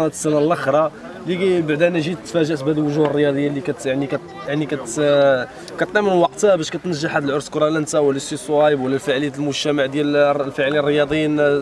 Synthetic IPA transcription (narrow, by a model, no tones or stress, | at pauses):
næt̪ə̥sːænalʔəxɾˤɑ | libaʕd̪ænæʒit̪fæʒæʔsbæd̪əlwʊʒuhərˤːəjɑd̪ˤəjːalːikæt̪jaʕnikæ | jaʕnikæt̪ | kæt̪ˤːæmənwɑq̚t̪hæbæʃkæt̪nəʒːəħad̪əlʕʊɾskɾˤɑlænt̪awəlːæsisˤwɑjbwəlːælfaʕləjæəlmʊʒt̪æmaʕd̪jællfəʕlinərˤːəjɑd̪ˤəjin